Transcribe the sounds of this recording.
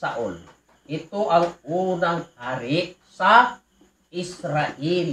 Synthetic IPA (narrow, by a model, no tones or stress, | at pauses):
aʔul | it̪uʔaŋunaŋhaɾiʔsa | isɾaʔil